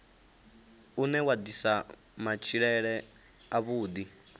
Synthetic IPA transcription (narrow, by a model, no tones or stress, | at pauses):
unɛwad̪isa | mat͡ʃʰiɺɛɺɛ | aβuːd̪i